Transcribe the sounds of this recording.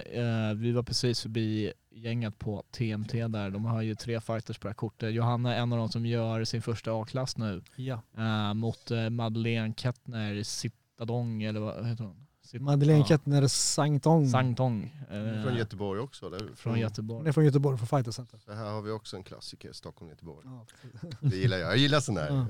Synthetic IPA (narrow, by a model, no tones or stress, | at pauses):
vɪvaɾpʰɾɛsiːsfœɾbiː | jɛŋːət̪pʰɔt̪ʰeːɛmt̪ʰeːd̪æɾd̪ɔmhaɾjɵt̪ʰɾeːfajt̪əʂpʰɔd̪æːkʰʊʈːət̪jʊɦanːəɛnːavd̪ɔmsɔmjœːɾsɪnfœʂʈaɑːkʰlasːnʉ̟ːjmʊt̪mad̪əleːnkʰɛt̪nəɾɪsɪt̪ːad̪ɔŋɛlːəɾa̰a̰heːt̪əɖɔm | sɪmad̪əleːnkʰɛt̪nɛɾsaŋt̪ʰɔŋsaŋt̪ʰɔŋfɾɔnjœt̪əbɔɾjɔksɔɛlɛ̰fɾɔnjœt̪əbɔɛfɾɔnjœt̪əbɔɾjfɔfajt̪əsɛnt̪əəɦæːɾhaɾvɪɔksɔɛnkʰla̰sːɪkə̰ɾst̪ɔkʰːɔlmjɛt̪əbɔ̰ɾjpːd̪ɛjɪlːaɾjɑ̰jajɪlːasɛnæ̰ːɾ